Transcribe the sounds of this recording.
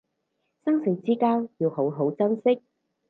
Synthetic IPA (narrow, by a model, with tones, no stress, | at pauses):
sɐ˥ŋsɪ˨˥t͡siː˥kaː˥wji˨˧who˨˥wɦo˨˥wt͡sɐ˥nsɪ˥k̚